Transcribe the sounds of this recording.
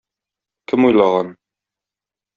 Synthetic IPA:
kɘmujlˠɑʁɑn

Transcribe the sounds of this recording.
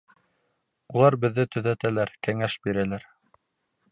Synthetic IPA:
ulˠɑɾbɘ̆ðːɘt̪ɵ̆ðæt̪ælæɾkæŋæʃbiɾælæɾ

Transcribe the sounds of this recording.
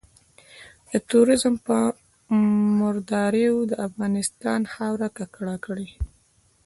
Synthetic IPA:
d̪̥ət̪uɾɪzmpə | mʊɾd̪ɑɾeod̪əafɣɑnɪst̪ɑnxawɾakakɽɑkəɽi

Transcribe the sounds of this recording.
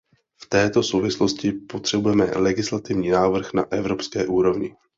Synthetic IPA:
ft̪ɛːt̪o̞so̞wvɪslo̞scɪpo̞t̪r̝̥ɛbujɛmɛ̰lɛɡɪslat̪ɪvɲiːnaːvr̩xna̰ʔɛvɾo̞pskɛːʔuːɾo̞vɲɪ

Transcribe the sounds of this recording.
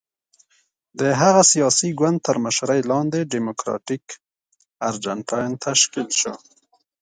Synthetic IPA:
d̪əɦaɣasijɑsiɡwan̚t̪ːəɾməʃɾajlɑnd̪eɖimʊkɾɑ̰ʈik | aɾd͡ʒaɳʈʰɑjnt̪ʰaʃkilʃo̰

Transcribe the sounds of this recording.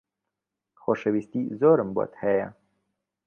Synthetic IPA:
xoʃewist̪izoːɾəmbo̰t̪hɛja

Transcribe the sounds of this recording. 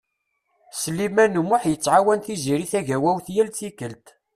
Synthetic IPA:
səlːimænumːʊħjət͡sːʕawænθiziɾiθæʝæwæwθjælt͡sikəlt̪

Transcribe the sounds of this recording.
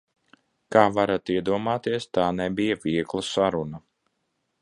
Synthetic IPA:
kaːvaɾat̪iɛd̪uɔmaːt̪iɛst̪aːnɛbijaviɛklˠasaɾuna

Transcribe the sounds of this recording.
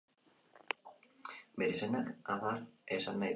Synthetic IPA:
beɾesenakaβaresanːaj

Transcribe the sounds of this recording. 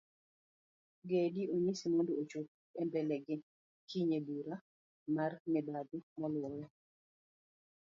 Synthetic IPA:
ɡedioɲisimondoot͡ʃop̚ | ɛmbɛlɛɡɪ | kʰiɲeduɾa | marmɪbadumɔlʊɔjɔ

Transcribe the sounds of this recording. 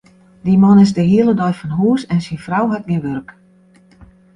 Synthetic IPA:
dimɔnɪzdəhiəlˠədɔjfɔnɦuəsɛnsinfrawɦat̚ɡiʋørk

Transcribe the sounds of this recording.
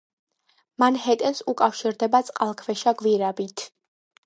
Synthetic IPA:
manhɛt̪ʼɛsukʼafʃiɾd̪ɛbat̪sʼqʼalˠkʰvɛʃaɡviɾabit̪ʰ

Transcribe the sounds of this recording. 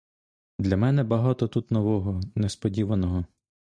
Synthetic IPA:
d̪lʲɐmɛnɛbɐɦɑt̪ɔt̪ut̪nɔʋɔɦɔnespɔdʲiʋɐnɔɦɔ

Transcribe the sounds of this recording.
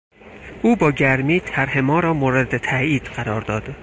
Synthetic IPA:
ʔuːbɒːɟæɾmiːt̪ʰæɾhe̞mɒːɾɒːmoːɾed̪et̪ʰæiːd̪̥ɢæɾɒːɾd̪ɒːd̪̥

